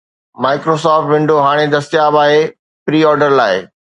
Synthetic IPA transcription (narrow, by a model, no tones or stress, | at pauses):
maːɪkɾoːsɔːfʈʋɪ̃ɳɖoɦaːɽ̃ed̪ɐst̪ɪjaːbaːɦe | pɾiːɔːɾɖəɾla̰ːɪ